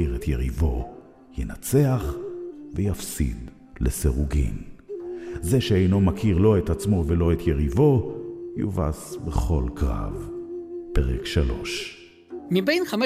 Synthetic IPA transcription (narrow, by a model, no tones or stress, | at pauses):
iʁet̪jeʁivo̞ | jenat͡se̞aχvejafsḭd̪ | leseʁuɡḭm | ze̞ʃeejno̞makʰiʁlo̞et̪at͡smo̞velo̞et̪ʰjeʁivo̞jṵva̰sbeχo̞lkʁa̰vpeʁekʃalo̞̰ʃ | mibejnχam